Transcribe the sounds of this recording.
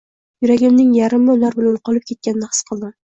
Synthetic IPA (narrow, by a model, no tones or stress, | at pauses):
jʊɾaɡʲɪmnɪŋjaɾɪmːɪlaɾbɪlanqʰɒlˠɪp̚kʲʰe̞t̪̚kʲanɪnɪhɨ̥sqʰɨlˠd̪ɪ